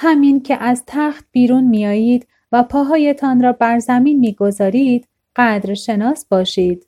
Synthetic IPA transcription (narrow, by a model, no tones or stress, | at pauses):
hæmiːncʰeʔæzt̪ʰæxt̪̚b̥iːɾuːnmijɒːjiːd̪̥ | væpʰɒːɦɒːjet̪ʰɒːnɾɒːbæɾzæmiːnmiːɡo̞zɒːɾiːd̪̥ | ɢæd̪ɾʃe̞nɒːsb̥ɒːʃiːd̪̥